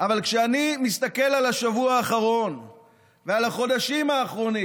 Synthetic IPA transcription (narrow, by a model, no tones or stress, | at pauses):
ʔavalkʃeanimist̪ake̞lalaʃavuaːχaʁo̞n | vealaχo̞d̪aʃimaːχʁo̞ni